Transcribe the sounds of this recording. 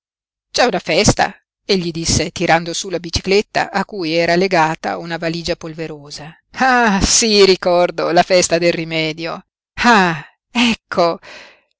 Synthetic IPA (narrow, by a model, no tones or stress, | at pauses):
t͡ʃɛunafɛst̪a̰ | eʎːid̪isːet̪iɾand̪osulabit͡ʃi̥klet̪ːa̰ʔakːujɛːɾaleɡaːt̪a̰unavaliːd͡ʒapolveɾoːza | asiɾikɔrd̪olafɛst̪ad̪elrimɛːd̪jo | a | ɛkʰːo